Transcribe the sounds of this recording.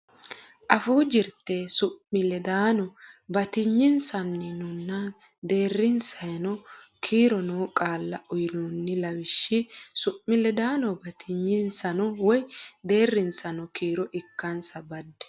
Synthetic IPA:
ʔɐfuːd͡ʒɪɾt̪ːesʊʔmɪlɛd̪aːnɔbɐt̪ɪɲːɪnsɐnːɪnʊnːɐ | d̪e̞ːrːɪnsɐjɐnɔkʰiːɾɔnoːkʼaːlːɐɔjɪnunːɪlɐwɪʃːɪsʊʔmɪlɛd̪aːnɔbɐt̪ʰɪɲːɪnsɐnɔwɔjd̪e̞ːrːɪnsɐnɔkiːɾɔʔɪkːɐnsɐbɐd̪ːɛ̥

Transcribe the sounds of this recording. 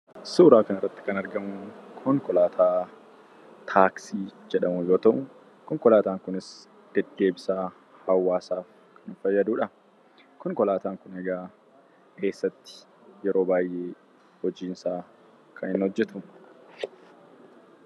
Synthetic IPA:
suːɾaːkɐnɐrːɐt̪ːɪ̥kɐnɐɾɡɐmʊkʰɔŋkɔlaːt̪ʰaː | t̪ʰaːksiːd͡ʒɛᶑɐmʊjo̞ːt̪ɐʔʊ | kɔŋkɔlaːt̪aːŋkʊnɪs | d̪̥ɛd̪ːe̞ːbɪsaː | hɐwːaːsaːf | kʰɐnɪnfɐjːɐd̪uːᶑɐ | kɔŋkɔlaːt̪aːŋkʊnɛɡaː | kʰe̞ːsːɐt̪ːɪ̥ | jɛɾo̞ːbaːjʔe̞ː | hɔd͡ʒiːnsaː | kʰɐnɪnhɔd͡ʒːɛt̪ʊ

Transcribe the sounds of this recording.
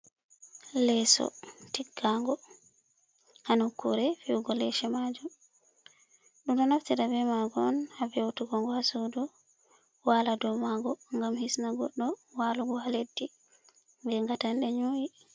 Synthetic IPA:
lɛsɔ̰tiɡːaŋɡɔ | hanukːṵɾɛfiwɡɔlɛʃɛmad͡ʒum | ɗumɗɔnaftiɾabɛmaɡɔnhabɛwtuɡɔŋɡɔhasudɔ | waladɔmaɡɔŋɡamhisnaɡɔ̰ɗːɔwaluɡɔhaledːi | ŋɡɛŋɡatanɗɛɲuːwi

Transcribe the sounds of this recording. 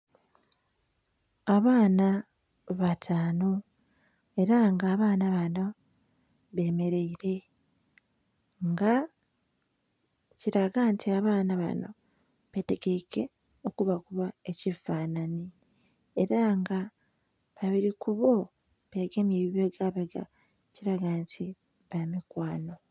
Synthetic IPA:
aβaːna | βatʰaːno | e̞ɾaŋɡaːβaːnaβano̞ | βe̞ːme̞ɾe̞iɾe̞ | ŋɡa | ciɾaɡantʰiaβaːnaβa̰no̞̰ | βe̞te̞ɡe̞ke̞ | o̞kuβakuβae̞cifaːnani | eɾaŋɡa | βaβiɾikuβo̞ | βeɡemjeːβiβeɡaβeɡa̰ | ciɾaɡantʰi | βamikwaːno̞

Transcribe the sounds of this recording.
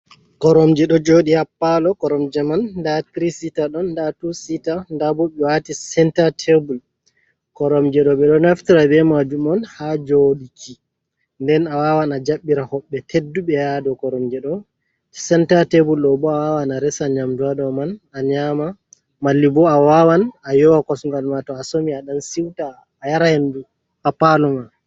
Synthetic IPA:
kɔɾɔmd͡ʒɛɗɔd͡ʒoɗihapːalɔkɔɾɔmd͡ʒɛmandatɾisitaɗɔnːdatusitandabɔɓɛwatisɛntatʰebul | kɔɾɔmd͡ʒɛɗɔɓɛɗɔnaftiɾabɛmad͡ʒumɔnhad͡ʒoɗikʰi | ndɛnawawanad͡ʒaɓːiɾahɔɓːɛtʰedːuɓɛjadɔkɔɾɔmd͡ʒɛɗɔ | sɛntatebulɗɔbɔawawanaɾɛsaɲamdaɗɔmanaɲama | malːibɔawawanajɔwakɔsnɾalmatɔasomiaɗansiwtaː | jaɾahendu | apalɔman

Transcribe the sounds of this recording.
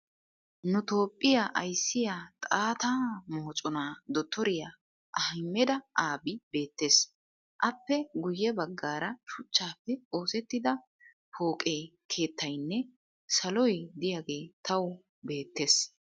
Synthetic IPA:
nʊt̪o̞ːpʼːɪjaʔɐjsːɪjat̪ʼaːt̪aːmoːt͡sʼɔnaːd̪ɔt̪ːɔɾɪja | ʔɐhɪmːɛd̪ɐʔaːbɪbe̞ːt̪ːe̞ːs | ʔɐpːɛɡʊjːɛbɐɡːaːɾɐʃʊt͡ʃːaːpːɛo̞ːsɛt̪ːɪd̪ɐ | po̞ːkʼe̞ːkʰe̞ːt̪ːɐjnːɛ | sɐlɔjd̪ɪjaːɡe̞ːt̪ʰɐw | be̞ːt̪ːe̞ːs

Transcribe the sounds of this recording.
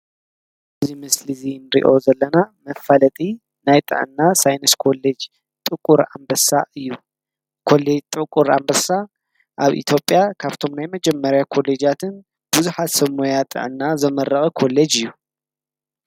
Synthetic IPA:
ʔɨzimɨslizinɨɾḭʔo̞zɐlːɐnamɐfːalɐt̪ʼi | najt̪ʼɨ̰ʕɨ̰nːasajnɐskʰo̞lːed͡ʒ | t̪ʼɨkʼːuɾa̰mbɐsaʔɨjːu | kʰo̞led͡ʒt̪ʼɨkʼːuɾa̰mbɐsa | ʔaβʔḭt̪ʰjo̞pʼjakʰaβt̪ʰo̞mnajmɐd͡ʒɛmːɐɾjakʰo̞led͡ʒat̪ʰɨn | b̥ɨzuħat̪sɐmujat̪ʼɨ̰ʕɨnːazɐmɐɾːɐxʼɐkʰo̞lːed͡ʒɨjːu

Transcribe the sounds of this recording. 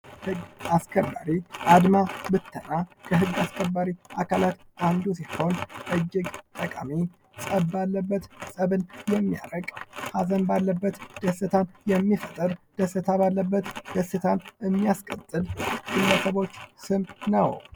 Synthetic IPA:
hɨɡaskʰəbːaɾiʔad̪mabɨt̪ʰːənakʰəɦɨɡːaskʰəbːaɾiakʰalat̪ʔand̪usiho̞nʔɨd͡ʒːɪɡt̪ʼəkʼa̰mi | sʼəbalːəbːət̪sʼəβɨnjɛmːija̰ɾəkʼhazənbalːəbːət̪d̪̥əsɨt̪ʰanjɛmːifət̪ʼɨɾd̪̥əsɨt̪ʰaβalːəbːət̪d̪̥əsɨt̪ʰamɨmːijaskʼət̪ʼːɨlɡɨlːəsəβo̞t͡ʃːsɨmnəw

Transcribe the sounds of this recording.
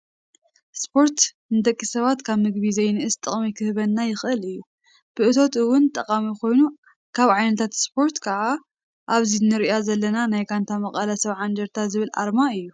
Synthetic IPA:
spʰo̞ɾt̪ | nɨd̪ɐkʼːisɐβat̪kʰaβmɨɡβizɐjnɨʔɨst̪ʼɨχʼmikʰɨhɨβɐnːajɪxʔɨlɨjːu | b̥ɨʔɨt̪ʰo̞t̪ɨwːʊnt̪ʼɐqʼamiko̞jnu | kʰaβʕajnɐt̪ʰat̪spʰo̞ɾt̪kʰɐʔa | ʔaβzinɨɾjazɐlːɐnanajkʰant̪ʰamɐχʼɐlɐsɐβʕand͡ʒ̪ɐɾt̪ʰazɨβɨlʔa̰ɾmaɨjːu

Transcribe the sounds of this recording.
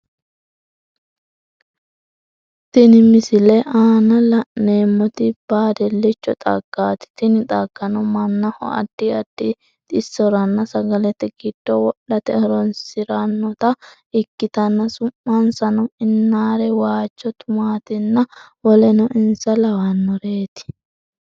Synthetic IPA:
t̪ɪnɪmɪsɪlɛʔaːnɐlɐʔneːmːɔt̪ɪb̥aːd̪ɛlːɛt͡ʃːɔt̪ʼɐɡ̥ːaːt̪ɪ̥t̪ɪnɪt̪ʼɐɡ̥ːɐnɔmɐnːɐhɔ̰ɐ̰d̪̥ːɪɐd̪̥ːɪ | t̪ʼɪsːɔɾɐnːɐsɐɡɐlɛt̪ːɛɡɪd̪̥ːɔwɔʔːɐt̪ɛɔɾɔnsɪɾɐnːɔt̪ɐ | ɪkːɪt̪ɐnːɐsʊmːɐnsɐnɔɪnːaːɾɛwaːt͡ʃːɔt̪ʊmaːt̪ɪnːɐwɔlɛnɔʔɪnsɐlɐwɐnːɔɾe̞ːt̪ɪ̥

